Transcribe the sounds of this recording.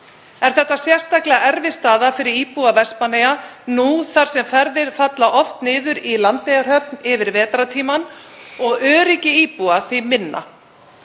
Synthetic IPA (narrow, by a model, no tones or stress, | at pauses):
ɛɾ̥θɛht̪ːasjɛr̥st̪aklɛɣaɛɾvɪst̪aːðafɪɾɪɾiːpuavɛspanejanuθar̥sɛmfɛɾðɪɾ̥fat̪laʔɔft̪nɪːðʏɾilant̪ːejɣaɾ̥ɦœp̚nɪvɪɾvɛːt̪ɾat̪ʰiːman | ɔɣœːɾicɪiːpuaθimɪnːa̰